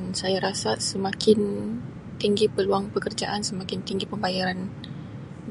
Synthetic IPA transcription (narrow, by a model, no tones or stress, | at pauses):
nsajaɾasasəmakʰɪn | t̪iŋɡipəluaŋpəkərd͡ʒaʔansəmakɪnt̪iŋɡipəmbajaɾan